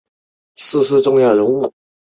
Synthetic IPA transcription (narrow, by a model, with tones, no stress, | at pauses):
sɹ̩˥˧s̩˥˧ʈ͡ʂʊ˥ŋjɑ˥˩ɻʊ˧˥ŋu˥˩